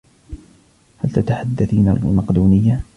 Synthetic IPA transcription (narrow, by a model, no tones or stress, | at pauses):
halt̪at̪aħad̪ːaθima̰lʊ̰mɑqd̪uːnɪjːa